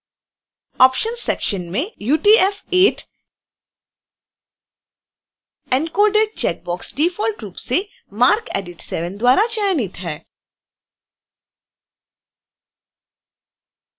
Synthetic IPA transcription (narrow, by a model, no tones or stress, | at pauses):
ɔːpʃənsɛkʃənmẽjuːʈiːɛfeːʈ | ɛ̃nkoːɖeːɖ̚t͡ʃɛːk̚bɔːksʈiːfɔːlʈɾuːpse | maːɾkḛːɖɪʈsɛʋə̃nd̪waːɾat͡ʃaːjnit̪ɦɛː